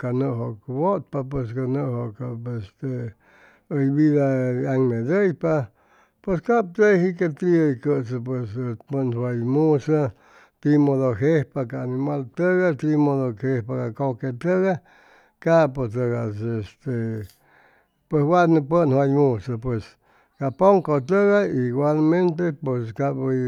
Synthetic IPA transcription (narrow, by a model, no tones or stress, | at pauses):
kanɨʔɦoʔkbot̪̚pap̬wes̬kanɨɦokaest̪e | əjbiðaaŋmed̪əjpa | pweskaʔp̚t̪ejɦikat̪ɾiəjkəsəp̬wespənwajmusa | t̪imoðoɦehpakaːnimalt̪əɣat̪imoðokhehpakakoket̪əɣa | kapot̪əɣasest̪e | pweswanəpənhwajmusapwes | kapoŋkot̪əɣaiɡwalment̪epeskabə